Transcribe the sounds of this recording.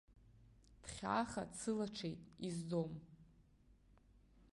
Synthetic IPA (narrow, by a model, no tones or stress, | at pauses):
d̥χʲa̰χa̰t͡sʰɨlaʈ͡ʂʰejtʼizdom